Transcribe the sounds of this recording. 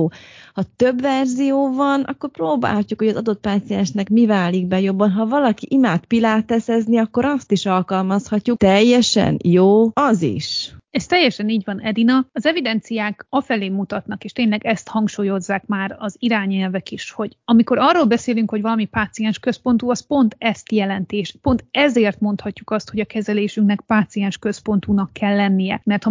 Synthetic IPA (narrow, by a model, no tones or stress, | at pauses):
oːhɒt̪øbvɛrzijoːvɒnɒ̰kːo̞rproːba̰ːlhɒcːukho̞ɟɒzɒd̪o̞t̪̚paːt̪siɛnʃnɛkmivaːliɡ̚bɛjo̞bːɒnɦɒvɒlɒkiʔimaːt̪pilaːt̪ɛsɛzniɒkːo̞ɾɒst̪iʃɒlkɒlmɒshɒcːukt̪ɛjːɛʃɛ̰njoːɒzḭʃɛst̪ɛjːɛʃɛniːɟvɒnɛd̪inɒɒzɛvid̪ɛnt̪sijaːkɒfɛleːmːut̪ɒt̪nɒkeːʃt̪eːɲlɛɡɛst̪hɒŋkʃuːjo̞zːaːkmaːɾɒziɾaːɲɛlvɛkiʃho̞ɟɒmiko̞ɾɒrːoːlbɛseːlyŋkho̞ɟvɒlɒmipaːt̪siɛnʃkø̞spo̞nt̪uɒspo̞nt̪ɛst̪jɛlɛnt̪eːʃpo̞nt̪ɛzeːrt̪mo̞nt̪hɒcːukɒst̪ho̞ɟɒkɛzɛleːʃyŋknɛk̚paːt̪sijɛnʃkø̞spo̞nt̪unɒkːɛlːɛnːijɛmɛrt̪hɒ